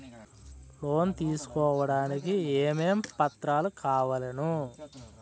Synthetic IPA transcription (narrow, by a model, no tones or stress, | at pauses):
pʰloːnt̪iːsu̥kɔːʋɐɽaːnikieːmeːmpɐt̪ɾaːlukʰaːʋɐlɐnu